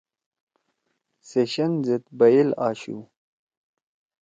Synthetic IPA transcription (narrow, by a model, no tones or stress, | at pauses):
seɕɐnzet̪bɐjilaːɕṵ